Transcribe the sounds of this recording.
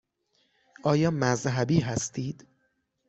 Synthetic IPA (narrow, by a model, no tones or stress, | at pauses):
ʔɒːjɒːmæzɦæbiːɦæst̪ʰiːd̪̥